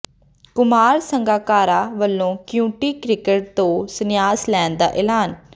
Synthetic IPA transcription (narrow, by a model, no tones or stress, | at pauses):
kʊmaːɾsəŋɡaːkaːɾaːʋəlːõːkjũːʈiːkɾɪkəʈ̚t̪õːsənɪjaːslɛːnd̪a̰ːʔɛːlaːn